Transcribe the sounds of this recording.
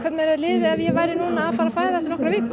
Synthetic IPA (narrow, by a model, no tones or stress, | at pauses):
kʰvɛt̪nmɪɛɾɛðlɪːðɪavjɛvaːjɾɪnuːnaːðfaɾafaːjðaɛft̪ɪnɔkɾaviːk